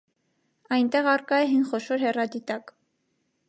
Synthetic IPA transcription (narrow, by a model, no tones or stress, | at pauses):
ɑjnt̪ɛʁɑrkɑɛɦinχɔʃɔɾhɛrɑd̪it̪ɑk